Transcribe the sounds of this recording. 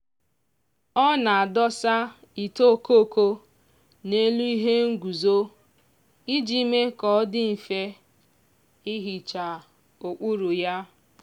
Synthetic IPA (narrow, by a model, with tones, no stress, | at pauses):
ɔ˦na˨a˨dɔ˦sa˦ | i˨to˦˨ko˦˨ko˦ | ne˦lu˦i˦ɦe˦ŋ̩˦ɡu˨zo˦ | i˦d͡ʒi˦me˦kɔ˨˦dɪ˦m̩˨fe˦ | i˦ɦi˨t͡ʃa˨ | o˨k͡pu˦ɾu˨ja˦